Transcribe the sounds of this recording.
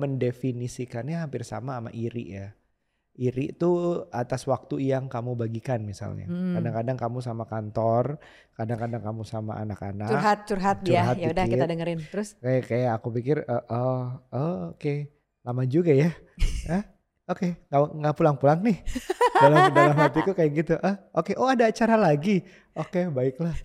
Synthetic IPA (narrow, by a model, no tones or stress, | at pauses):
məndefinisikanaɦampɪrsa̰maːma̰ʔiɾɪ̰ʔja | iɾḭʔt̪uat̪aswak̚t̪ujaŋkamubaɡikanmisa̰lɲa̰kadaŋkadaŋkamus̬amakant̪ɔr | kadaŋkadaŋkamusama̰a̰naka̰nat͡ʃuɦat̪̚t͡ʃurɦat̪̚t͡ʃuaɦat̪jaudait̪adəŋəɾɪnt̪əɾʊskajakajaːkupikɪrəʔəəoke | lamad͡ʒuɡaja | əh | okeŋaŋɡapulaŋpulaŋnɪhdalamdalamɦat̪ikukajaɡit̪uʔəhokeʔoadaːt͡ʃaɾalaɡi | okebaɪklah